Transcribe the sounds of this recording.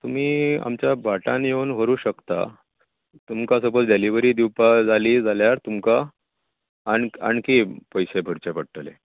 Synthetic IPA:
t̪um̤iːa̰mt͡ɕjabʱaʈanjeunʋəɾuːɕəkt̪a̰ | t̪umkasəbət͡sɖeliʋəɾiːd̪iwpad͡zaliːd͡zaljaɾt̪umka | aɳa̰ɳkipəjsebʱəɽt͡ɕepəɽʈəlḛ

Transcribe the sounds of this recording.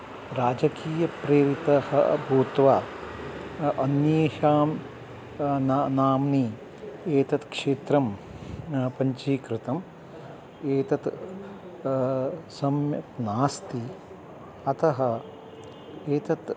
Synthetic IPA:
ɾaːd͡ʒɐkiːjɐpɾeːɾit̪ɐhɐ̰bʱuːt̪ʋaː | ʔɐnjeːʃaːm | nnaːmniː | eːt̪ɐt̪kʂeːt̪ɾɐm | pɐɲt͡ʃiːkɾɪt̪ɐm | eːt̪ɐt̪ | sɐmjɐ̰tnaːst̪i | ɐt̪ɐɦɐ̆ | eːt̪ɐt̪

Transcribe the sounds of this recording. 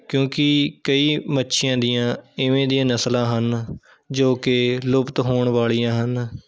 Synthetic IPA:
kjõːkɪkəiːmətːʃʰɪjãːd̪ɪjãːɪʋẽːd̪ijãːnəslãːɦən | d͡ʒoːkɪlʊpt̪ɦoːɳʋaːɭijãːɦən

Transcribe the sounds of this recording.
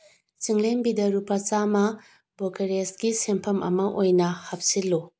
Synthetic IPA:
t͡ʃiŋlembidɐɾupɐt͡ʃamɐ | bokeɾesɡisempʰɐmʔɐ̰mɐʔojnɐhap̚silːu

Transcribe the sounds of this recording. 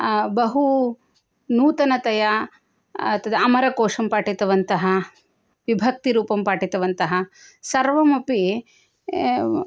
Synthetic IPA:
bɐɦu | nuːt̪ɐnɐt̪ɐjɐ | ɐt̪ːɐd̪ɐɐmɐɾɐkoːʂɐmpaːʈit̪ɐʋɐnt̪ɐɦɐ | ʋibʱɐk̚t̪iɾuːpɐmpaːʈit̪ɐʋɐnt̪ɐɦɐsɐɾʋɐmɐpi

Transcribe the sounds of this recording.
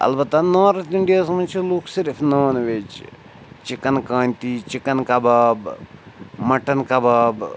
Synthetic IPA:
ɐ̰lbɐt̪ːanoːɾɐt̪iɳɖijaːsmɐt͡ʃʰiluːksiɾfnoːnʋet͡ʃ | t͡ʃikːɐnkaːnʲt̪it͡ʃikɐnkɐbɐːb | mɐʈɐnkɐbɐb

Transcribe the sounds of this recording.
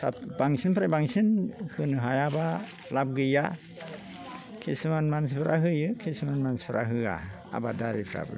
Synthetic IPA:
sapbaŋsinpʰɾajbaŋsinhɯnɯɦajaba | lab̚ɡɯja | kʰesɯmanmans̬pʰɯɾʔaɦɯjɯkʰesɯmanmanspʰɾʔa̰ɦɯa̰ | a̰badaɾipʰɾa̰bɯ̰

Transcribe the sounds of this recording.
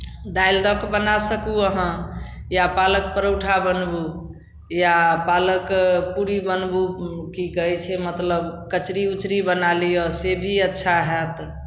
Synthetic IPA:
d̪ajld̪ɔkbənasəkuəɦə̃japalək̚pəɾəwʈʰabənbu | japaləkpuɾibənbukikəɛt͡ʃʰɛmət̪ləbkət͡ʃɾiut͡ʃɾibənalijɔsebʱiətːʃʰaɦɛt̪

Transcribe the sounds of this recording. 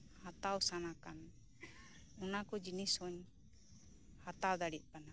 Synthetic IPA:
hat̪awsanakan | ɔnakɔd͡ʒinisɔɲ | hat̪awd̪aɽiʔ̚pana

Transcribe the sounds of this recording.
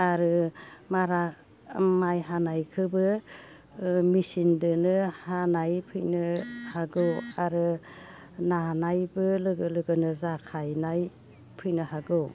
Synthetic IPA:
aɾɯmaɾa | majɦanajkʰɯbɯ | misindɯnɯhanajpʰɯjnɯhaɡɯwaɾɯ | nanajbɯlɯɡɯlɯɡɯnɯzakʰajnaj | pʰɯjnɯhaɡɯw

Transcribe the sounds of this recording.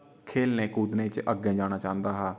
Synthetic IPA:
kʰeːlnẽːkuːd̪nẽːt͡ʃəɡẽːd͡ʒaːñaːt͡ʃãːnd̪aːɦaː

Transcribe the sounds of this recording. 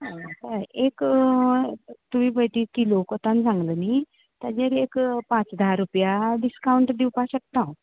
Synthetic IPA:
ãsəek | t̪uʋibʱəjt̪ikilokot̪ãnd͡zãŋɡləni | t̪ad͡zeɾekpãt͡sd̪aɾupjaɖiskawuɳʈd̪iwpaɕək̚t̪ãw̃

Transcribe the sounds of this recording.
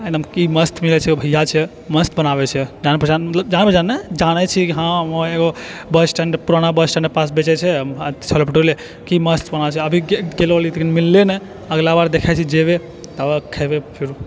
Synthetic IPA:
ənəmkiməst̪ʰmilɛt͡ʃʰɛobʱəjːat͡ʃʰɛ | məst̪ʰbənaβɛt͡ʃʰɛd͡ʒanɛpəɾd͡ʒanmət̪ləb̚d͡ʒañɛpəɾd͡ʒanːɛd͡ʒañɛt͡ʃʰikiɦãoeɡobəsʈəɳɖpuɾañabəsʈəɳepas̬bet͡ʃɛt͡ʃʰɛət̪t͡ʃʰəlopiʈoɾle | kiməst̪ʰbənat͡ʃʰɛəbʱiɡellit̪ekinmilːenɛ | əɡlabaɾd̪ekʰat͡ʃʰɛd͡ʒebe | t̪əəkʰɛbepʰiɾ

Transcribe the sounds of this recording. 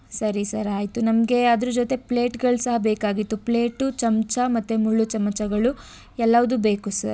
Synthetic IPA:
sɐɾisɐɾaːjt̪unɐmɐɡe̞ɐd̪ɐɾud͡ʒoːt̪e̞pɭeːʈɡɐɭusɐɦɐbeːkaːɡit̪ːupɭe̞ːʈut͡ʃɐmt͡ʃɐmɐt̪ːemuɭːut͡ʃɐmɐt͡ʃɐɡɐɭu | ɛlːɐʋɐd̪ube̞ːkusɐɾ

